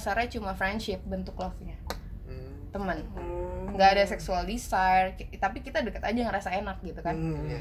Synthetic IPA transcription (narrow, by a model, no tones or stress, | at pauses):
saɾɲat͡ʃumafɾɛndʃɪp̚bənt̪ʊklɔfɲa | t̪əmənŋɡaːdasɛksualdisajrkt̪apikit̪adəkət̪ad͡ʒajŋɾasaenak̚ɡit̪ukan